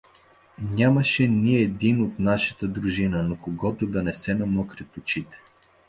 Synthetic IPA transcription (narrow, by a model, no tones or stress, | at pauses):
nʲamɐʃɛniɛd̪inot̪naʃɐt̪əd̪ɾuʒinənokoɡɔt̪ʊd̪ɐnɛsɛnɐmɔkɾɛt̪ʊt͡ʃit̪ɛ̥